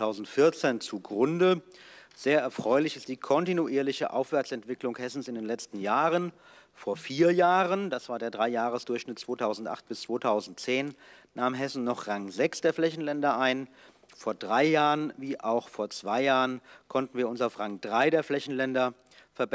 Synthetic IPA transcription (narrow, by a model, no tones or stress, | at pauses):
aʊzn̩tfɪɐt͡seːnt͡suɡʁʊndə | z̥eːɐʔɛɐfʁ̥ɔʏlɪçɪst̚d̥iːkʰɔntinuʔiːɐlɪçəʔa̰ʊfv̥ɛɐt͡sɛntv̥ɪklʊŋhɛsn̩sɪndeːnlɛt͡stn̩jaːʁən | foːɐfiːɐjaːʁənd̥asv̥aːɐdeːɐdʁaɪjaːʁəsd̥ʊɐçʃnɪt̚t͡sv̥oːtʰaʊzn̩tʔa̰χt̚b̥ɪst͡sv̥oːtʰaʊzn̩tt͡seːnnaːmɦɛsn̩nɔχʁaŋzɛksd̥eːɐflɛçn̩lɛndɐʔaɪn | foːɐdʁaɪjaːʁənviːʔaʊxfoːɐt͡sv̥aɪjaːʁənkʰɔntn̩viːɐʊnsaʊfʁaŋdʁaɪdeːɐflɛçn̩lɛndɐ | fɛɐb